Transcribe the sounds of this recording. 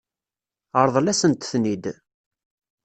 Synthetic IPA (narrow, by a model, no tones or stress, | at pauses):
əɾˤðˤlæsənt̪θnid̪